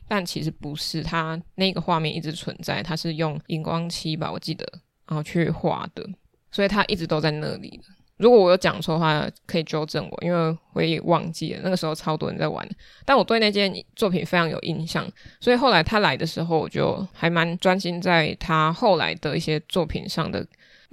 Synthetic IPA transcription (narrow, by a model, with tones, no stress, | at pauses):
t̪a˥˩nt͡ɕʰi˧˥ʂ̬ɻ̩˧˦pu˨˧˦ʂɻ̩˥˩t̪ʰa˥na˥˩i˧ɡə˩xwa˥˧mjɛ˥˧nʔḭ˥˩ʈ͡ʂɻ̩˧˦t͡sʰwə̰˧˦nt͡sa˥˩ɪt̪ʰa˥ʂɻ̩˥˧jo˥˩ŋi˥ŋkwɑ˦ŋt͡ɕʰi˥pa̰˨˥wɔ̰˨˩t͡ɕi˥˩d̪ə̰˨˩na˨˧˦xo˥˩t͡ɕʰy˥˧xwa̰˥˩d̪̥ə̰˨˦ | swɔ˧˥i˨˩t̪ʰa˥ʔi˥˩ʈ͡ʂɻ̩˧˥t̪o˥ʊt͡sa˥˧ɪna̰˥˩lḭ˨˩d̪ə˦ | ɻu˧˥kwɔ˨˦wɔ˨˩jo˥ʊt͡ɕjɑ˨˩ŋt͡sʰwɔ˥˩ə˨xwa˥˩kʰɤ˧˥i˨˩t͡ɕjo˥ʊʈ͡ʂə˥˩ŋwɔ̰˨˩ʔḭ˥nwe˥˩ɪxwe˧˥ɪi˨˩wɑ̰˥˧ŋt͡ɕḭ˥˩ə̰˩na˥˩ə˩ʂ̩˧˥xo˥˧ʊt͡sʰɑ˥ʊt̪wə̰˧˦nt͡sa˥˩ɪwa̰˧˦n˩ | t̪a˥˩nwɔ˨˩t̪we˥˧ɪna˥˧˩t͡ɕjɛ˥nt͡swɔ˥˩pʰi˨˩nfe˥ɪʈ͡ʂʰɑ˧˥ŋjo̰˨˩ʊʔi˧nɕjɑ̰˥˩ŋswɔ˧˥i˨˩xo˥˩ʊla˧˦ɪt̪ʰa˥la˧˥ɪd̪ə˧ʂɻ̩˧˥xo˥˧ʊwɔ̰˨˩t͡ɕjo̰˥˩ʊha˧˥ɪma˧˦nʈ͡ʂwa˦nɕi˥nt͡sa˥˩ɪt̪ʰa˥xo˥˩ʊla̰˧˥ɪd̪ə˨i˥˩ɕjɛ˥t͡swɔ˥˩pʰḭ˨˩nʂɑ̰˥˩ŋd̪ə̰˩